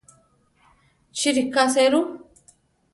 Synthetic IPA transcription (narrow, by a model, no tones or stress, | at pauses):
t͡ʃiɾikːaseɾu